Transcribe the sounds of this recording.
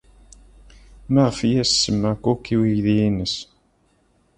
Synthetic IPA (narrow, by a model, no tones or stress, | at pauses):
mæʁfijæsːəmːækʷːʊkːiwijðiːnəs